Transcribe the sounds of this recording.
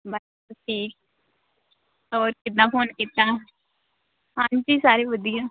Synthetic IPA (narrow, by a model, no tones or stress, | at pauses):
bəlkʊlʈʰiːk̚ | ɔːɾkɪt̪̬nãːpʰoːnkit̪ːaː | ɦãːnd͡ʒiːsaːɾeːʋəd̪ɪjãː